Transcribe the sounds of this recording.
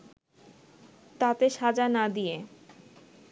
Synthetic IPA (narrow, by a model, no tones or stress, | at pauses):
t̪at̪eʃad͡ʑanad̪ije